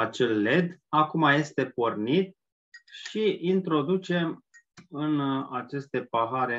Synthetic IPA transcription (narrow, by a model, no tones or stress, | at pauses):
at͡ʃe̞lːe̞d̪akumaje̞st̪e̞pornit̪̚ | ʃiint̪ɾo̞d̪ut͡ʃe̞ | ɨnat͡ʃe̞st̪e̞paɦaɾe̞